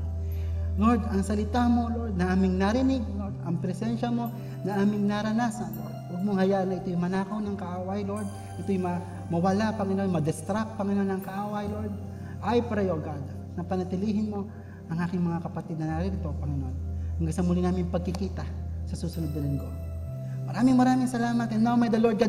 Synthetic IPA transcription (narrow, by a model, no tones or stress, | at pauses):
lo̞ɹd̪ɐŋsɐlɪt̪amo̞loɹd̪̚nɐʔaːmɪŋnaɾɪnɪɡ̚lo̞ɹd̪ɐŋpɾɛsɛnʃɐmo̞ | nɐʔaːmɪŋnaɾɐnasɐnloɹd̪̚ʔoɡ̚moŋhɐjaːʔanɐʔɪt̪ojʊŋmɐnaːkɐwnɐŋkɐʔaːwɐjlo̞ɹd̪̚ | ʔɪt̪ojʊmɐ | mɐwɐlapɐŋɪnonmɐd̪ɛst̪ɾak̚pɐŋɪno̞nːɐŋkɐʔaːwɐjloɹd̪̚ | ʔajpaɾɐjoʔɡad̪ | nɐpɐnɐt̪ɪliːɦɪnmo̞ | ʔɐŋʔaːkɪŋmɐŋakɐpɐt̪ɪd̪̚nɐnaɾɪnɪt̪o̞pɐŋɪnʔo̞nhɐŋɡasɐmʊlinaːmɪŋpɐɡ̚kɪkiːt̪ɐsɐsuːsʊnod̪nɐlɪŋɡo̞ | mɐɾaːmɪŋmɐɾaːmɪŋsɐlaːmɐt̪ɛnːawmɐjd̪ɐloɾd̪̚ɡa